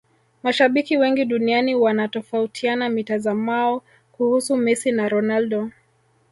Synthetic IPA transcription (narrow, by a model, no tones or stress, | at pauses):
maʃaɓikiwɛŋɡiɗunianiwanatɔfautʰianamitazamaɔ | kuhusumɛsinaɾɔnaldɔ